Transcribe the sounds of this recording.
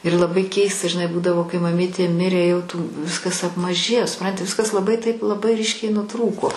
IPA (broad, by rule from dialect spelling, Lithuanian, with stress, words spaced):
ɪr lˠɐˈbɐɪ ˈkʲɛɪstɐ ʒʲɪˈnɐɪ ˈbuːdɐʋoː kɐɪ mɐˈmʲiːtʲeː ˈmʲɪrʲeː jɛʊ tuː ˈʋʲɪskɐs ɐpmɐˈʒʲeːjoː sʊˈprɐnʲtʲɪ ˈʋʲɪskɐs lˠɐˈbɐɪ tɐɪp lˠɐˈbɐɪ ˈrʲiːʃʲkʲɛɪ nʊˈtruːkoː